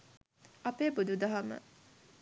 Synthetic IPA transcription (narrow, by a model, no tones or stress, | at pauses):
ɐpeːbud̪ud̪aɦamə̰